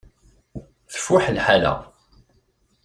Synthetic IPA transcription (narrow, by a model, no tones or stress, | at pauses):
θə̥fːʊħəlħalæ̰